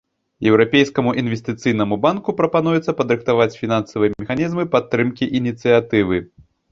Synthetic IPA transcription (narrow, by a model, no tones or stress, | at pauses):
jɛwɾapʲejskɐmuʔinvʲesʲt̪ɨt̪sɨjn̪ɐmubankupɾɐpanujɛt̪sɐpɐd̪ɾɨxt̪avat͡sʲfʲinansɐvɨjɛmʲɛxanʲizmɨpat̪ːɾɨmkʲiʔinʲit̪sɨjat̪ɨvɨ